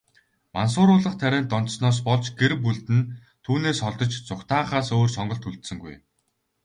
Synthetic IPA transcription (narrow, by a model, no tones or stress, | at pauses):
mans̬ʊːɾʊːɮə̆χt̪ʰæɾʲæːnt̪ɔnt̪snɔːs̬pɔɮt͡ɕɡeɾpuɮt̪ɘ̆n | t̪ʰuːneːsɔɮt̪ɞ̆t͡ɕt͡sʊkt̪ʰaːχaːsoːrsɔɴɢɞ̆ɬt̪uɮt̪sɘ̆ŋɡṵj